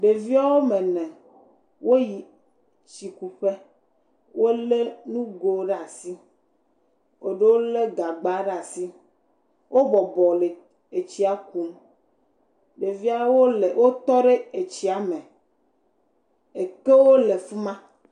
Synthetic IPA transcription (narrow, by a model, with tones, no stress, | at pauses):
ɖe˨vi˦a˦wo˦mẽ˨nɛ̃˨ | wo˦ji˨ | t͡ɕi˨ku˨ɸe˦ | wʔo˦le˦nũ˦ɡo˦ɖe˦a˨si˦ | o˦ɖe˦wo˦le˦ɡa˨ɡ͡ba˦ɖa˨si˦ | wʔo˦bɔ˨bɔ˨le˨ | e˨t͡ɕi˦a˦ku˦m | ɖe˨vi˦a˦wo˦le˨wo˦t̪ɔ˦ɖe˦e˨t͡ɕi˦a˨mɛ̃˨ | e˨ke˦wo˦le˨fu˦mã˦